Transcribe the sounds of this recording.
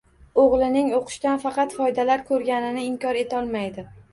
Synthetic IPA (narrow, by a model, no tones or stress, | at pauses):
oʁlˠɪnɪŋoqʰɨ̥ʃt̪anfɑqɑt̪fɒjd̪alaɾkʰɵɾɡʲanɪnɪːmkʲɒɾe̞t̪ʰaɒlˠmajd̪ɪ